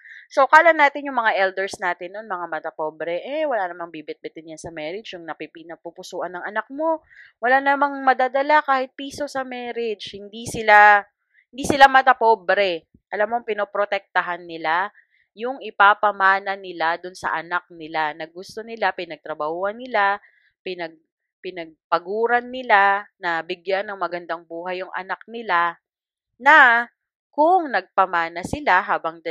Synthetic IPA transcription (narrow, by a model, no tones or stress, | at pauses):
sokɐʔɐlɐnːaːt̪ɪnjʊŋmɐŋaʔɛld̪ɛɹsnaːt̪ɪnːonmɐŋamɐt̪ɐpoːbɾɛʔɛwɐlanɐmaŋbibɪt̪̚bɛt̪ɪnjansɐmɛɾɪd͡ʒjʊŋnɐpipinɐpupʊsuːʔɐnːɐŋʔɐnak̚mo̞ | wɐlanɐmaŋmɐd̪aːd̪ɐlakaːhɪt̪̚piːso̞sɐmɛːɾɪd͡ʒhɪnd̪isɪla | hɪnd̪iːsɪlamɐt̪ɐpobɾɛ | ʔɐlamːoŋpɪnopɾot̪ɛk̚t̪ɐɦanːɪla | jʊŋɪpapɐmaːnɐnɪlad̪ʊnsɐ̰ʔɐnak̚nɪlanɐɡʊst̪o̞nɪlapɪnɐɡ̚t̪ɾɐbɐhuːhɐnːɪla | pɪnɐɡ̚ | pɪnɐɡ̚pɐɡuːɾɐnːɪlanɐbɪɡjanːɐŋmɐɡɐnd̪aŋbuːhɐjːʊŋʔɐ̰nak̚nɪla | nɐ | kʊŋnɐɡ̚pɐmaːnɐsɪlaɦaːbɐŋd̪